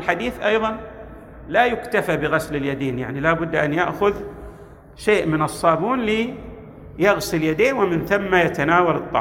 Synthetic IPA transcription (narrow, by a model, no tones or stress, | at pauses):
lħad̪iːθʔɑjðˤɑn | lajʊkt̪afabɪɣaslɪljad̪eːnja̰ʕnilaːbʊd̪ːʔa̰njaʔxʊð | ʃeːʔmɪnɨsˤːɑːbuːnli | jaɣsɪljad̪eːnwɪmɪnθamːajat̪anaːwalɨt̪ˤːɑ̰ʕ